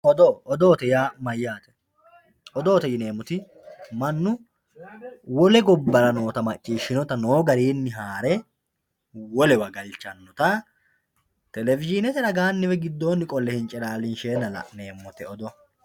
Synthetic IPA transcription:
ʔɔd̪ɔʔɔd̪oːt̪ɛjaːmɐjːaːt̪ɛ̥ | ɔd̪o̞ːt̪ɛjɪne̞ːmʊt̪ɪ | mɐnːʊ | wɔlɛɡɔbːɐɾɐno̞ːt̪ɐmɐt͡ʃʼːiːʃːɪnɔt̪ɐnoːɡɐɾiːnːɪɦaːɾɛ | wɔlɛwɐɡɐlt͡ʃːɐnːɔt̪ɐ | t̪ɛlɛvɪd͡ʒɪnɛt̪ɛnɐɡaːnːɪwɛɡɪd̪ːo̞ːnːɪkʼɔlːɛhɪnt͡ʃʼɛlaːlɪnʃeːnɐlɐ̰ʔne̞ːmːɔt̪ɛɔd̪ɔ

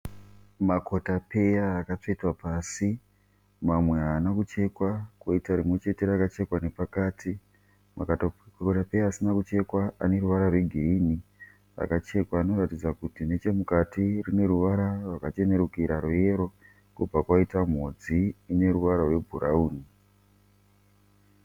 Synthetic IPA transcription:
mako̞tape̞jaːkato̞itwapaːsi | mamwe̞aːnakut͡ʃe̞kwakwoitaɾimwe̞t͡ʃe̞te̞ɾakat͡ʃe̞kwane̞pakaːtʰi | ma̰ktakotape̞jaːsinakut͡ʃe̞kwaa̰ne̞ruʋaɾarwe̞ɡʱiɾini | ra̰kat͡ʃe̞kwaːno̞ratid͡zakutine̞t͡ʃe̞mukatirine̞ɾuʋaɾarwakat͡ʃe̞ne̞ɾukiɾaɾuje̞ɾo̞ | kub͡vakwaitam̤od͡ziːne̞ɾuʋaɾarwe̞bʱuɾʔauːni

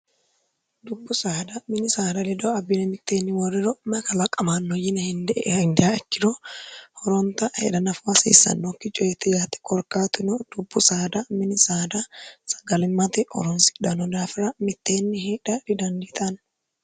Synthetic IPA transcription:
d̪ʊbːʊsaːd̪ɐmɪnɪsaːd̪ɐlɛd̪ɔɐbːɪnɛmɪt̪ːeːnːɪmɔɾɪɾɔmɐkɐlɐkʼɐmanːɔjɪnɐhɪnd̪ɛʔhɪnd̪ɛjaɛkːɪɾɔhɔɾɔnt̪ɐhɛ̰ᶑɐnɐfʊɐsḭːsɐ̰nːɔkːɪt͡ʃʼɔɛt̪ːɪjaːt̪ɛ̥kɔɾkaːt̪ʊnɔd̪̥ʊbːʊsaːd̪ɐmɪnɪsaːd̪ɐsɐ̥ɡɐlɪmːɐt̪ɪʔɔ̰ɾɔnsɪ̥dɐnɔd̪aːfɪɾɐmɪt̪ːeːnːɪheːᶑɐɾɪd̪ɐnd̪iːt̪ʼɐn

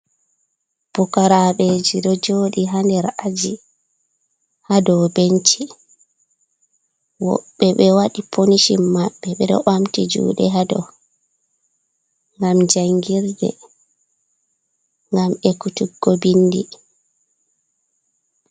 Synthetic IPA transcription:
b̥ukaɾaɓed͡ʒiɗɔd͡ʒoːɗiɦandɛɾʔad͡ʒi | hadɔbent͡ʃi | wɔ̰ɓːɛɓɛwaɗipʰoniʃimːaɓːɛɓɛɗɔ̰amtid͡ʒṵːɗɛɦadɔ̰ | ŋɡamd͡ʒaŋɡiɾdɛ̰ | ŋɡamɛkutuɡːɔbinːdi

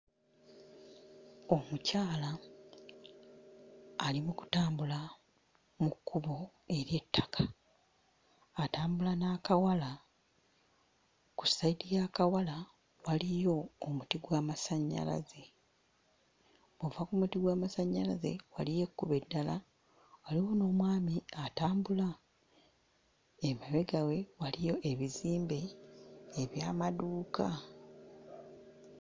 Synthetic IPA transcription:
o̞mucaːla | limuku̥taːmbula | mukːuβo̞ | e̞ɾje̞tːḁkʰḁ | taːmbulanaːkawala | ku̥sːaidijaːkawala | walijo̞ːmutiɡwaːmasaɲːa̰la̰ze̞ | βovakumutiɡwaːmasaɲːalaze̞̰walije̞kːuβe̞dːala | waliwo̞no̞ːmwaːmiataːmbula | emaβe̞ɡawe̞walijo̞ʔe̞βiziːmbe̞ː | βjaːmaduːka

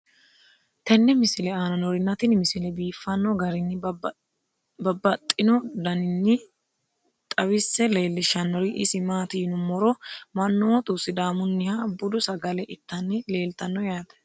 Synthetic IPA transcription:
t̪ɛnːɛmɪsɪlɛaːnɐnɔɾɪnːɐt̪ɪnmɪsɪlɛbiːfːɐnːɔɡɐɾɪnːɪ | bɐbːɐt̪ʼːɪnɔd̪ɐnɪnːɪ | t̪ʼɐwɪsːɛleːlːɪʃɐnːɔɾɪʔɪsɪmaːt̪ɪnʊmɔɾɔmɐnːɔwt̪ʼusːɪd̪aːmʊnːɪhabʊd̪ʊsɐɡɐlɛʔɪt̪ːɐnːɪle̞ːlt̪ɐnːɔjaːt̪ɛ̥

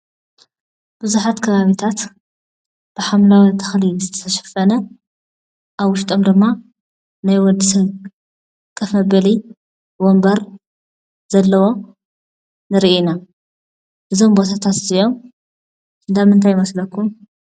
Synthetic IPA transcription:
b̥ɨzuħat̪kʰɐβaβit̪ʰat̪ | b̥ɨħamlawit̪ʰɨ̥xlizɨt̪ʰɐ̥t̪ʰɐʃɐ̥fɐnɐ | ʔaβwʊʃt̪ʼomd̪ɨmːa | najwɔd̪ɨsɐβ | kʼɐfɐbɨli | bombɐɾ | z̥ɐlːɐwo̞ | nɨɾiʔina | ʔɨzo̞mbot̪ʰat̪ʰat̪zio̞m | ɨnd̪amɨnt̪ʰajmɐslɐkʰːum

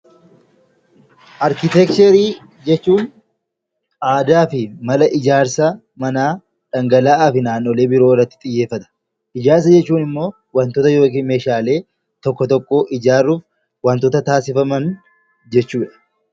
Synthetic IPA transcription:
ʔɐɾkɪt̪ɛk̚t͡ʃɛɾiː | d͡ʒɛt͡ʃːuːn | ʔaːd̪aːfɪmɐlɐʔɪd͡ʒaːɾsɐ | mɐnaː | ᶑɐŋɡɐlaːaːfɪnaːnːoːle̞ːbɪɾoːɪrːɐt̪ːɪ̥t̪ʼɪjːe̞ːfːɐt̪ɐ̥ | ʔɪd͡ʒaːɾs̬ɐd͡ʒɛt͡ʃːuːnɪmːo̞ː | wɐnt̪ɔt̪ɐjo̞ːkiːnme̞ːʃaːle̞ː | t̪ɔkːɔt̪ɔkʼːo̞ːʔɪd͡ʒaːrːuːf | wɐnt̪ɔt̪ɐt̪aːsɪfɐmɐn | d͡ʒɛt͡ʃːuːᶑɐ̥

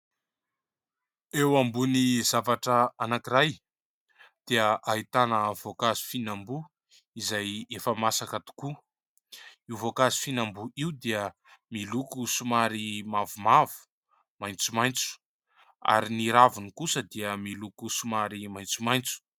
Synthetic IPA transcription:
ewambunizavaʈ͡ʂəanakiɾaj | d̪̥eəʔaɦit̪anəv̥okazi̥finambu | izajefəmasakət̪u̥ku | iwvokazi̥finambuʔiwd̪iə | milukusumaɾimavumavu̥ | majnt͡sumajnt͡su̥ | a̰ɾiniɾavunikusəd̪iəmilukusumaɾimajnt͡sumajnt͡su̥

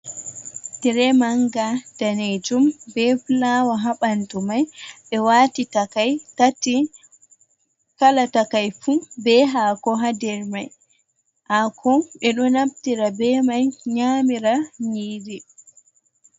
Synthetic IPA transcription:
tɛɾɛmaŋɡad̥aned͡ʒumbɛflawaɦaɓantumajɓɛwaːtitakajtati | kalatakajfubɛɦakɔɦadɛɾmaj | ʔakʰɔɓɛɗɔnaptiɾabɛmajɲaːmiɾaɲiːdi

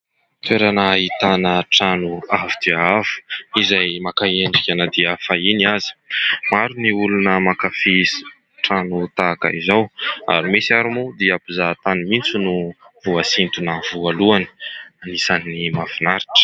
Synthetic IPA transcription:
t̪eɾanaːɦit̪anəʈ͡ʂanuavid̪̥iaavu̥izajmakaeɳɖ͡ʐikʲanad̪iafainiazi̥maɾuniulunəmakafisi̥ | ʈ͡ʂanut̪aka̰izawa̰ɾimesiaɾumud̪iapuzat̪animint͡sunuv̥uasint̪unəvualuanə̥anisanːimafinaɾiʈ͡ʂə̥

